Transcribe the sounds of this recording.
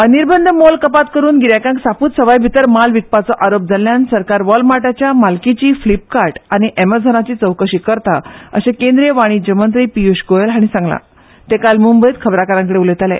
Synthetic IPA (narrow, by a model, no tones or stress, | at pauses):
əniɾbənd̪ʱəmolkəpat̪kəɾuːnɡiɾjakãŋksapuːt̪səʋajbʱit̪əɾmalʋik̚pat͡sɔʔaɾop̚d͡zʱaljansəɾkaɾʋɔlmaʈat͡ɕjamalkit͡ɕiːflip̚kaɾʈañiʔeməd͡zʱənat͡ɕiːt͡səwkəɕiːkəɾt̪aə̰ɕẽkẽnd̪ɾeʋaɽ̃iːd͡ʑəmənt̪̬ɾipijuɕɡojelɦaɽ̃isãŋɡla̰ | t̪ẽkalmumbəjit̪kʰəbɾakəɾãŋk̬əɽeulet̪alɛ̰̃